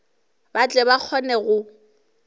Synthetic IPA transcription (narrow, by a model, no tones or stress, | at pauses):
bat͡ɬʼɛbak͡xʰɔnɛɣʊ